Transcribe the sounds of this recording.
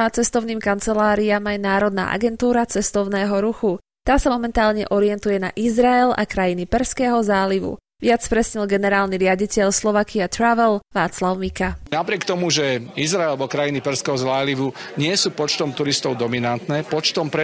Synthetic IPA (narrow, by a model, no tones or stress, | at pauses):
aːt͡sɛst̪ɔʊniːmkant͡sɛlaːɾiamajnaːɾɔd̪na̰ːʔa̰ɡɛnt̪uːɾat͡sɛst̪ɔʊnɛːɦɔɾuxu | t̪aːsamɔmɛnt̪aːlɲɛ̰ʔɔɾɪɛnt̪ujɛna̰ʔizɾaɛla̰kɾajinipɛɾskɛːɦɔzaːliʋṵ | ʋɪat͡spɾɛsɲɛlɡɛnɛɾaːlniɾɪaɟicɛʎslɔʋakiat̪ɾaʋɛlʋaːt͡slaʊmikanapɾɪɛkt̪ɔmuʒɛizɾaɛlbɔkɾajinipɛɾskɛɦɔzaːliʋuɲɪɛsuːpɔt͡ʃt̪ɔmt̪uɾist̪ɔʊd̪ɔminant̪nɛːpɔt͡ʃt̪ɔmpɾɛ